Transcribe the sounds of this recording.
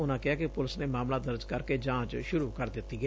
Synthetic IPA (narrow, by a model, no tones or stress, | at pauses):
ʊnãːkɪɦaːkɪpʊləsneːmaːmlaːd̪əɾd͡ʒkəɾkeːd͡ʒãːt͡ʃʃʊɾuːkəɾd̪ɪt̪ːiːɡɛː